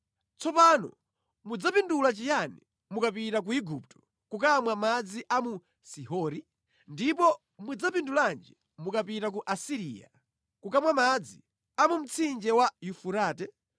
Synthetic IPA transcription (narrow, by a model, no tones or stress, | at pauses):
t͡sɔpanɔ̰ | mud͡zapindulat͡ʃijani | mukapitak̬uiɡup̚tɔ̥ | kukamwamad͡ziʔamu | siɦɔɾi | ndipɔ | mud͡zapinduland͡ʒi | mukapitak̬uʔasiɾḭːja̰ | kukamwamad͡zi | amum̩t͡sʰind͡ʒɛwajufuɾaːtɛ